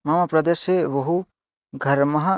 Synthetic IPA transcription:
mɐmapɾɐd̪eʃeʋoɦu | ɡʱɐɾmɐɦa

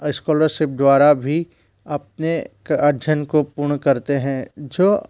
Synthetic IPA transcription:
ɪskɔːləɾʃɪp̚d̪ʋaːɾabʱi | ɐp̚nekɐd̪ʱjənkopʊɾɳkɐɾt̪eɦɛ̃ːd͡ʒoː

